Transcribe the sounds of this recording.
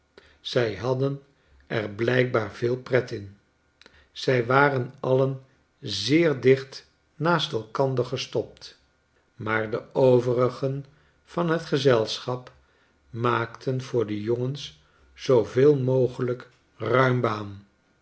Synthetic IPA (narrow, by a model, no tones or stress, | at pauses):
z̥ɛjɦɑdən | ɛɹblɛjk̚baːɹv̥ɪːlˠprɛtɪn | z̥ɛjʋaːrənɑlən | zɪːɹdɪχt | naːstɛlˠkɑndəɹχəstɔp̚t | maːɹdəowvərəχən | v̥ɑnɦətχəzɛlˠsχɑp | maːktʰənv̥ʊːɹdəjoŋəns | z̥owvɪːlˠmowχələk | rœɥmbaːn